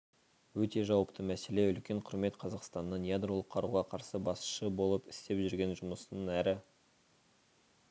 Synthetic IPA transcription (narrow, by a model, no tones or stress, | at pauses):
wɵt̪e̞ʒɑwəpt̪ʰəmæse̞le̞ʏlkʲe̞ɴqʰʊɾme̞t̪qʰɑzɑqst̪ɑnːənjad̪ro̞lˠəqʰːɑɾuʁɑqʰɑɾsəbɑsʃəbo̞lˠəpɪst̪e̞pʒʏɾɡʲe̞nʒʊməsənəŋæɾɪ